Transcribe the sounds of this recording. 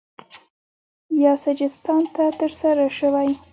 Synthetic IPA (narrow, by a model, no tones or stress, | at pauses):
jɑsad͡ʒɪst̪ɑnt̪at̪əɾsaɾaʃəwaj